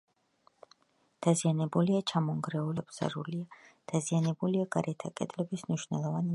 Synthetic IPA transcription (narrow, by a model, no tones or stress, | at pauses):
d̪̥azianɛbuliat͡ʃʰamɔŋɡɾɛulɛbz̥a̰ɾuliad̪̥azianɛbuliaɡaɾɛt̪ʰakʼɛ̰d̪lɛbismniʃwnɛlˠɔvani